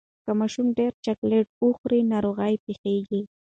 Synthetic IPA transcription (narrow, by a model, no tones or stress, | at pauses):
kamaʃumɖeɾt͡ʃakleʈ̚ʊxɾinaɾoɣajpixeɡi